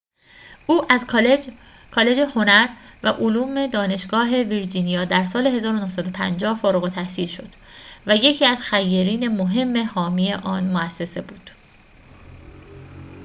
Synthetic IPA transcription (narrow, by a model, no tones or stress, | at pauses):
uːʔæz | kʰɒːle̞d͡ʒe̞ho̞næɾvæʔoluːme̞d̪ɒːne̞ʃɡ̥ɒːɦe̞viɾd͡ʒinijɒːd̪æɾsɒːle̞ɦe̞zɒːɾonohsæd̪o̞pʰænd͡ʒɒːhfɒːɾoɣot̪ʰæhsiːlʃo̞̰d̪̥ | væje̞cʰiːæzxæjːeɾiːne̞mo̞ɦe̞mːe̞hɒːmiːe̞ʔɒːnmoæsːe̞se̞buːd̪̥